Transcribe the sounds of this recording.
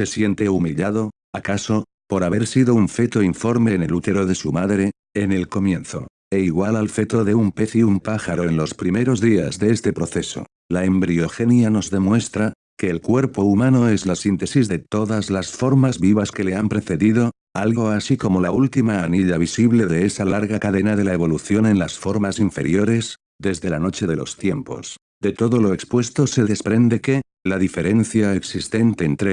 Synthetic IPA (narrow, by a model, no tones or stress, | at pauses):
se̞sjent̪e̞umiʎaðo̞ | akaso̞ | po̞ɾaβe̞ɾsiðo̞uɱfe̞t̪o̞iɱfo̞ɾme̞ːne̞lut̪e̞ɾo̞ðe̞sumaðɾe̞ː | ne̞lko̞mjẽ̞nθo̞̰ | e̞iɣwalalfe̞t̪o̞ðe̞umpe̞θiumpaxaɾo̞e̞nlo̞spɾime̞ɾo̞zðiazðe̞est̪e̞pɾo̞θe̞so̞̰ | lae̞mbɾio̞xe̞njano̞zðe̞mwe̞st̪ɾa | ke̞ːlkwe̞ɾpo̞umãno̞e̞zlasint̪e̞sizðe̞t̪o̞ðazlasfo̞ɾmazβiβaske̞le̞ampɾe̞θe̞ðiðo̞ | alɣɣo̞asiko̞mo̞lault̪imaːniʎaβ̞isiβle̞ðe̞esalaɾɣakaðe̞naðe̞lae̞βo̞luθjo̞nẽ̞nlasfo̞ɾmasiɱfe̞̰ɾjo̞ɾe̞z | ðe̞zðe̞lano̞t͡ʃe̞ðe̞lo̞̰st̪je̞mpo̞̰s | d̪e̞t̪o̞ðo̞lo̞ekspwe̞st̪o̞seðe̞spɾe̞nd̪e̞ke̞ | laðife̞ɾe̞n̟θjaeksist̪e̞nt̪e̞ːnt̪ɾe